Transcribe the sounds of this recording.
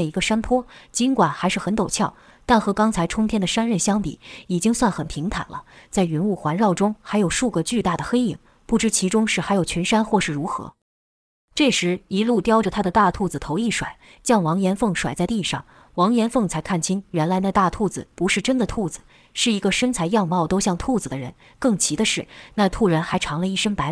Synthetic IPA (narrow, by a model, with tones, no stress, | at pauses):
i˧˥ɡə˧ʂa˥npʰwɔ˥t͡ɕi˧˥nkwa˨˩nxa˧˥ɪʂɻ̩˥˩xə˧˥nt̪o˨˩ʊt͡ɕʰjɑ˥˩ʊ | t̪a˥˩nxɤ˧˥kɑ˥ŋt͡sʰa˧˥ɪʈ͡ʂʰʊ˥ŋt̪ʰjɛ˥nd̪ə˨ʂa˥nɻə˥˩nɕjɑ˥ŋpḭ˨˩˦i˨˩t͡ɕi˥ŋswa˥˩nxə˨˩npʰi˧˥ŋt̪ʰa̰˨˩nlə̰˦t͡sa˥˩ɪɥy˧˥nu˥˩xwa˧˥nɻɑ˥˩ʊʈ͡ʂʊ˥ŋxa˧˥ɪjo˨˩ʊʂu˥˧ɡə˧t͡ɕy˥˧t̪a˥˩d̪ə˩xe˥ɪi˨˩ŋ | pu˥˩ʈ͡ʂɻ̩˥t͡ɕʰi˧˥ʈ͡ʂʊ˥ŋʂɻ̩˥˩xa˧˥ɪjo˨˩ʊt͡ɕʰɛ˧˥nʂa˥nxwɔ˥˧ʂɻ̩˥˩ɻu˧˥xɤ̰˧˥ | ʈ͡ʂɤ˥˩ʂɻ̩˧˥i˧˥lu˥˩t̪jɑ˥ʊʈ͡ʂə˨˩t̪ʰa˥d̪ə˨t̪a˥˧t̪ʰu˥˩d͡z̩˨˩t̪ʰo˧˥ʊi˥˩ʂwa̰˨˩ɪ | t͡ɕjɑ˥˩ŋwɑ˧˥ŋjɛ˧˥nfɤ˥˩ŋʂwa˨˩ɪt͡sa˥˧ɪt̪i˥˧ʂɑ̰˥˩ŋ | wɑ˧˥ŋjɛ˧˥nfɤ˥˩ŋt͡sʰa˧˥ɪkʰa˥˩nt͡ɕʰi˥nɥɛ˧˥nla˧˥ɪna˥˧˩t̪a˥˧t̪ʰu˥˩d͡zɹ̩˨˩pu˧˥ʂɻ̩˥˩ʈ͡ʂə˥nd̪ə˨t̪ʰu˥˩d͡zɹ̩˨˩ | ʂɻ̩˥˩i˧˥ɡə˧ʂə˥nt͡sʰa˧˥ɪjɑ˥˧ŋmɑ˥˩ʊt̪o˥ʊɕjɑ˥˧ŋt̪ʰu˥˩d͡z̩˨˩d̪ə˦ɻə˧˥n | kɤ˥˩ŋt͡ɕʰi˧˥d̪ə˧ʂɻ̩˥˩na˥˧t̪ʰu˥˩ɻə˧˥nxa˧˥ɪʈ͡ʂʰɑ˧˥ŋlə˧i˥˩ʂə˥ŋpa˧˥ɪ